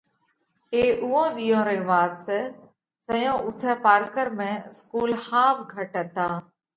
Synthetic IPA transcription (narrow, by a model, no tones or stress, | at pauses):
eːʔʊɦõːɗ̪iːjõːɾẽːʋaːɾsə | səjõːʔʊt̪ʰɛːpaːɾkəɾmẽːskuːlhaːʋɡʱəʈə̃t̪aː